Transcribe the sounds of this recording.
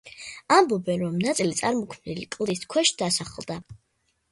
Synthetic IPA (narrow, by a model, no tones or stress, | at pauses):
ambɔbɛnɾɔmnat̪sʼilit̪sʼaɾmɔkʰmnḭlikʼlˠd̪iskʰwɛʃd̪̥asaχɛlˠd̪a